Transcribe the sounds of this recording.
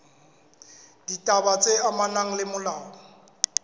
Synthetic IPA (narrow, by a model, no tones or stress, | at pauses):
d̥itʼabat͡sʼeamanaŋ̩lɪmʊlaːɔ